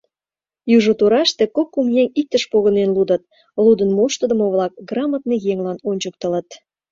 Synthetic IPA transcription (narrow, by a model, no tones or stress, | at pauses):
juʒot̪uɾɑʃt̪ĕkokːumjeŋʲik̚t̪əʃpoɣənenlud̪ə̆t̪̚ | lud̪ənmoʃt̪ə̆d̪ə̆moβlɑk̚ɡrɑmɑt̪̚nejeŋlɑnonʲt͡ɕək̚t̪ə̆lə̆t̪